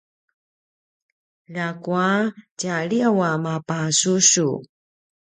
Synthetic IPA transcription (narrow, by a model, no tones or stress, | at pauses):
lakuacaɭiawamapasuɕu